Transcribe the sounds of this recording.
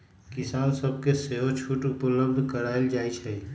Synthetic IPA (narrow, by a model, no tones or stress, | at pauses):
kisansəb̚ʱkeseɦot͡ʃʰuʈupləbd̪ʱkəɾaeld͡ʒajt͡ʃʰɛ